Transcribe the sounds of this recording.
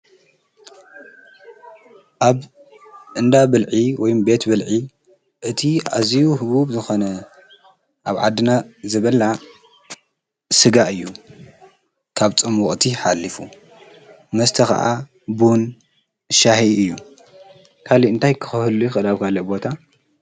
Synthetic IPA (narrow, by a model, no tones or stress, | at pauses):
ʔaβ | ʔɨnd̪abɨlʕiwɔjumbe̞t̪bɨlʕi | ʔɨt̪ʰia̰zijuɦɨβuβzɨxo̞nɐ | ʔaβʕa̰d̪ɨnazɐβɐla | sɨɡaʔɨjːu | kʰaβt͡sʼɨmʊχʼt̪ʰiħalːifu | mɐst̪ʰɐxɐ̰ʔa̰ | bun | ʃahiɨjːu | kʰaliɨnt̪ʰajkʰɨ̥xɐhɨlujxɨʔɨlaβkʰalobo̞t̪ʰa